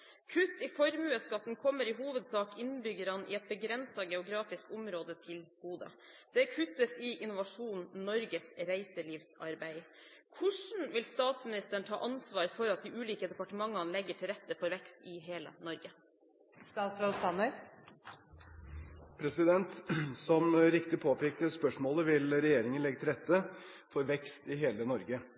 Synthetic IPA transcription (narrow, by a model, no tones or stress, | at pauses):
kʰʉt̪ːɪfɔɾmʉːəskɑt̪ːn̩kʰɔmːəɾɪɦuːʋəd̪sɑːkɪnbʏɡːəɾɑnʔɪ̰ɛt̪̚bəɡɾɛnsɑɡɛʊɡɾɑːfɪskʊmɾoːd̪ət̪ʰɪlɡ̥uːd̪ə̰ | d̪̥ɛkʰʉt̪ːəsɪʔɪnʊʋɑʂuːnnɔɾɡəsɾæɪsəliːʋsɑ̰ɾbæɪ | kʰʊʂɳ̩ʋɪlst̪ɑːt̪smɪnɪst̪əɳ̩ʈ̪ʰɑ̰ːʔɑnsʋɑːɾfɔɾɑt̪̚d̪ɪʔʉːliːkəd̪ɛpɑʈəmɑŋːɑnlɛɡːəʈʰɪlɾɛt̪ːəfɔɾʋɛkst̪ɪɦeːlə̰nɔɾɡə | st̪ɑːt̪sɾosɑnəɾ | pʰɾɛsɪd̪ɛnt̪sɔmɾɪkt̪ɪpʰoːpɛːkəspœʂmoːləʋɪlɾɛjeːɾɪŋənlɛɡːət̪ʰɪlɾɛt̪ʰːə | fɔɾʋɛkst̪ɪɦeːlənɔɾɡə